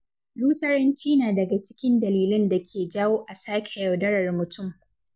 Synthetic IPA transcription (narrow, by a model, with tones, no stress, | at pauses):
luː˦sɐ˦ɾɐ˦nt͡ʃiː˦naː˨dɐ˨ɡa˨t͡ʃɪ̥˦kʲɪ˦ndɐ˨liː˨lɪ˦nda˨kʲʰeː˨d͡ʒaː˦woː˦ʔa˨saː˦kʲʰɛ˨jɐ˨wdɐ˦ɽɐ˨rmʊ˨tʊ˦m